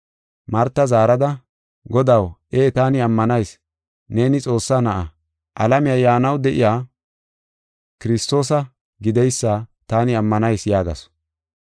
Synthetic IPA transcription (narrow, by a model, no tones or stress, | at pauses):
mɐɾt̪ːɐzaːɾɐd̪ɐ | ɡɔd̪ɐweːt̪aːnɪɐmːɐnɐjs | ne̞ːnɪt͡sʼo̞ːsːaːnɐʔɐ | ʔɐlɐmɪjajaːnɐwd̪ɛʔɪjaː | kɪɾɪst̪ːo̞ːsɐ | ɡɪd̪ɛjsːaːt̪aːnɪɐmːɐnɐjsjaːɡɐ̰s